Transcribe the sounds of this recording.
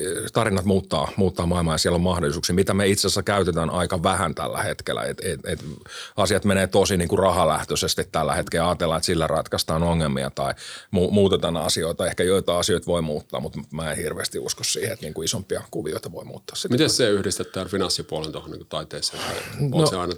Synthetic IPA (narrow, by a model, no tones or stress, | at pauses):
t̪ɑrinːɑt̪muːt̪ːɑ̰ːmuːt̪ːɑːmɑilmɑːjɑsiælːommɑhdolːˑisuːksiːmit̪æmeit̪sesækæyt̪et̪ænʔɑikɑʋæhænt̪æ̰lːæ̰het̪kḛlːæ̰ḛt̪et̪et̪ɑsiɑt̪meneːt̪osiniːŋkurɑhɑlæht̪øsest̪it̪t̪ːælːæ̰het̪kelɑːt̪elːɑːet̪silːærɑ̰t̪kɑst̪ɑːnoŋːelmḭɑ̰t̪ɑimuːmuːt̪et̪ɑnɑ̰sioit̪ɑehkæjoit̪ɑːɑsioit̪ʋoimuːt̪ːɑ̰ːmut̪mmæːenhirʋḛːst̪iṵskossḭːheet̪niːŋkuisompːˑiɑkuʋḭoit̪ɑʋoimṵːt̪ːɑ̥ːssit̪mit̪essseːyhdist̪et̪ːæːnfinɑnsːipuolent̪ohonḭŋkut̪ɑit̪eːsːeːɑonoseɑinɑ